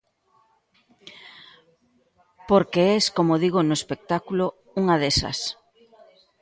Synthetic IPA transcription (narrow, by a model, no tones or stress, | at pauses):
poɾkeɛskomoðiɣonoespek̚t̪akulo | uŋɐðesɐ̰s